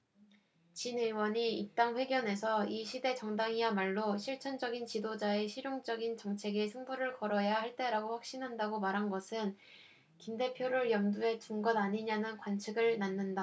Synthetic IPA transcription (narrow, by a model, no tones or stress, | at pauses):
t͡ɕinɯɭwʌɲiːp̚t͈aŋɸwe̞ɡjʌne̞sʰʌiɕʰide̞t͡ɕʌŋdaŋiamaɭːoɕʰiɭt͡ɕʰʌnd͡ʑʌɡint͡ɕidod͡ʑae̞ɕʰiɾjoŋd͡ʑʌɡint͡ɕʌŋt͡ɕʰe̞ɡesʰɯŋbuɾɯɭkʌɾʌjahaɭt͈e̞ɾaɡoɸwak̚ɕ͈inɦandaɡomaɾɦanɡʌsʰɯn | kinde̞pʰjoɾɯɭjʌmdue̞t͡ɕuŋɡʌdaɲiɲanɯnkwant͡ɕʰiɡɯɭnanːɯnda